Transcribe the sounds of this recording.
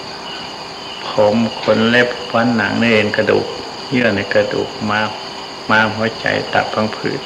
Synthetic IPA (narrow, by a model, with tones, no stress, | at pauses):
pʰo˨˦mkʰo˧˥˨nlɛ˧˨p̚wa˧˥˨nːa˨˦ŋnɯ˧˨e˨nka˧dṵː˨˩k̚ | ɲɯ˧˥ɐ˨na˧˩jka˧dṵː˨˩k̚ma˧ | maː˧˥˨mɦɔ˧˦t͡ɕa̰˨˦jt̪a̰˨˩p̚ʰːa˧˥˨ŋpʰɯ̰ː˨˩˦t̪̚